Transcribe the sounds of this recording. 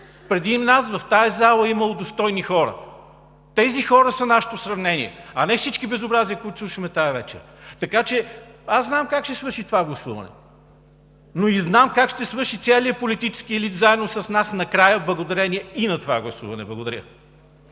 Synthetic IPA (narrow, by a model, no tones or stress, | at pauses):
pɾɛd̪inas̬vɐft̪aɛzalˠəiməlˠod̪ost̪ɔjnixɔɾə̰ | t̪ɛzixɔɾəsɐnaʃɛ̥t̪osɾɐvnɛnḭɛ̰ɐnɛfsit͡ʃkibɛzobɾaziəkoit̪ʊ̥slˠuʃəmɛt̪ajvɛt͡ʃɛ̰ | t̪ɐkat͡ʃɛaszznamkakʃt̪ɛsvɤɾʃit̪ovaɡlˠɐsuvɐ̰nɛ̰ | noiznamkakʃt̪ɛsvɤɾʃit̪sɛliəpolit̪it͡ʃɛ̥skiɛlit̪zaɛd̪nosɐsnasnɐkɾajəblˠɐɡod̪ɐɾɛniɛinɐt̪ova̰ɡlˠɐsṵvɐnɛblˠɐɡod̪ɐ̰ɾjə̰